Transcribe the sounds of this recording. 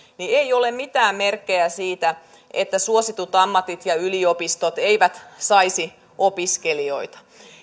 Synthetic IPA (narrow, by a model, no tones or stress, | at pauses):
nieiolemmit̪æːmmerkːejæsiːt̪æ | ʔet̪ːæsuosit̪ut̪ɑmːɑt̪it̪jɑyliopist̪ot̪eiʋæt̪sɑisi | ʔopiskelio̞it̪ɑ̥